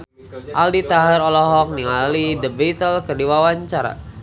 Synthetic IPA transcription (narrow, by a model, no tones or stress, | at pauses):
ʔaldit̪aɦəɾɔlɔɦɔk̚niŋalidəbet̪əlkərdiwawaɲt͡ʃaɾa̰